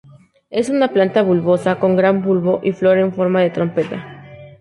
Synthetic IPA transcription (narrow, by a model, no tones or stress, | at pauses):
e̞sunaplant̪aβulβo̞sako̞ŋɡɾambulβo̞ʔiflo̞ɾeɱfo̞ɾmaðe̞t̪ɾo̞mpe̞t̪a